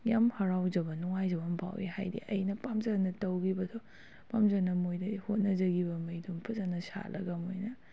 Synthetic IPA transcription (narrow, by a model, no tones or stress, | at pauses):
jamhɐɾawd͡ʒɐbɐnuŋajd͡ʒɐbɐmpʰa̰wḛha̰jdḭʔɐjnɐpamzɐnɐtɐwɡibɐdʰo | pamzanɐmojdɐhot̚nɐzɐɡibɐmɐjdumpʰɐzanːɐsa̰lɐɡɐmojnɐ